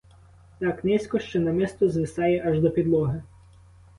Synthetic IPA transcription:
t̪ɑknɛsʲkɔʃt͡ʃɔnɐmɪst̪ɔzʋɪsɑjɛʔɐʒd̪ɔpʲid̪lˠɔɦɪ

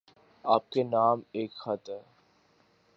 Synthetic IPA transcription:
aːp̚kenaːmeːkxɐt̪ɦɛː

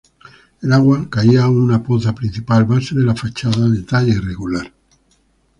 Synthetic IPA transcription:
elaɣwakaiaunapoθapɾin̟θipalmaseðe̞lafat͡ʃaðaðet̪aʎaireɣulaɾ

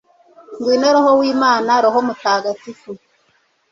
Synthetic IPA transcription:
ŋɡwiːnoɾohowiːmaːnaɾoɦomutaːɡatifu

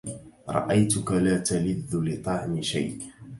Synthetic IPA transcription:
ɾˤɑ̰ʔajt̪ʊkalaːt̪alɪðːʊlɪt̪ˤɑʕmɪʃa̰jʔ

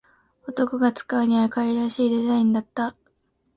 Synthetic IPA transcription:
o̞t̪o̞koɡat͡sɨ̥kaɲ̟iβakaiɾaɕiːd̪e̞zaĩnd̪at̪ːa

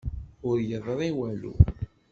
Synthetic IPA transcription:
ʊɾjəðˤɾˤiwælṵ

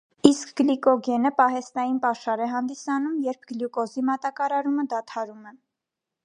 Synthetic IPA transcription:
iskɡəlikɔɡɛnəpɑɦɛst̪ɑjinpɑʃɑɾɛɦɑnd̪isɑnumjɛɾpʰɡljukɔzimɑt̪ɑkɑɾɑɾuməd̪ɑt̪ʰɑɾumɛ

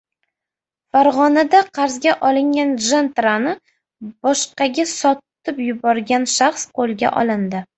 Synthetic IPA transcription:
faɾʁɒnad̪aqʰɑɾzɡʲaʔɒlˠɪŋɡʲanʒent̪ɾanɪ | b̥ɒʃqɑɡʲasɒt̪ɪpjʊbɒɾɡʲanʃaχsqolˠɡʲa̰ʔɒ̰lˠɪnd̪ɪ

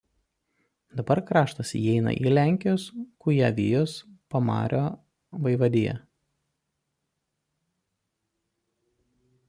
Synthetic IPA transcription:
d̪ɐbɐɾkɾɑːʃt̪ɐsiɛɪnɐ̰ʔḭːlʲæˑŋʲkʲɪjoːskʊjæʋʲɪ̰joːspɐmɑ̰ːɾʲʔoː | ʋɐɪʋɐd̪ʲɪjɛ̰

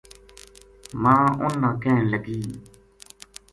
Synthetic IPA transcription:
mãːʊ̃nːãkẽləɡiː

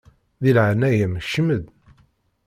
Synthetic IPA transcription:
ðilʕanæjəmʃəməð

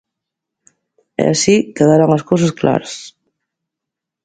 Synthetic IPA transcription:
ɛ̰aʃikəðaɾaŋəskos̬əskla̰ɾs

